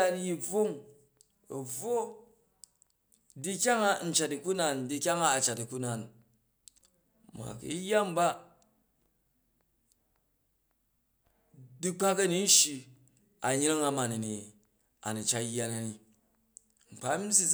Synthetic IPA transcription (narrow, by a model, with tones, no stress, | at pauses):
a˨dji˨b͡vo˦ŋ | ɐ˨b͡vo˦ | di˦kʲa˦ŋa˦n̩˨t͡ʃa˨ti˨ku˦na˨n˨di˦˧kʲa˦ŋa˦a˨t͡ʃa˨ti˨ku˦na˨n | ma̰˨kḭ˨˦jːa˦m˦ba˦ | di˦k͡pa˦kɐ˦ni˨˦n̩˦ʃi˧ | a˨ɲ˦ɾa˦ŋa˨ma˨ni˨ni˨ | a̰˨ni˨t͡ʃa˦jːa˨na˨ni˨ | ŋ͡m̩˨k͡pa˨˦m̩˦s̬i˦